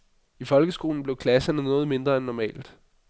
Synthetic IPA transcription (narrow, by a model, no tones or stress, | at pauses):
ifɒ̽lɡ̥əsɡ̥o̝̰ːln̩b̥le̝ʊkʰlæsɐnənɔ̽ːð̞̩ˠme̝nd̥ʁɐenːɒmɛ̰ːld̥